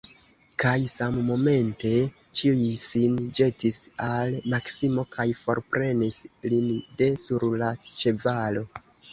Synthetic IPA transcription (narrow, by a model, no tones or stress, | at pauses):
kajsamːo̞me̞nte̞ | t͡ʃiujsind͡ʒe̞tisalmaksimo̞kʰajfo̞̰ɾpɾe̞nislinde̞suɾlat͡ʃe̞valo̞